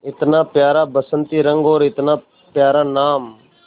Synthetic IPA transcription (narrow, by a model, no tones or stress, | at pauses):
ɪt̪nãːpjaːɾaːbəsənt̪iːɾə̃ŋɡoːɾɪt̪nãː | pjaːɾaːnaːm